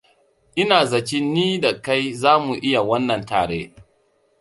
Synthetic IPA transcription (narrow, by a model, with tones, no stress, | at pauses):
ʔɪ˦naː˨zɐ˨t͡ʃi˦nːiː˦da˨ka˦jzaː˦mu˨ʔɪ˦ja˨wɐ˦nːɐ˨nta̰ː˨ɽeː˦